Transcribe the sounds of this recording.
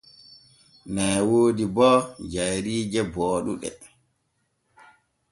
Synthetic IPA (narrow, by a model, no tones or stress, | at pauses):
nɛjwoːdibɔd͡ʒajɾiːd͡ʒɛbɔːɗṵɗɛ̰